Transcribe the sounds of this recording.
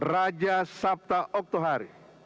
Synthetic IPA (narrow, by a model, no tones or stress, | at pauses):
rad͡ʒasap̚t̪aʔɔk̚t̪oɦaɾi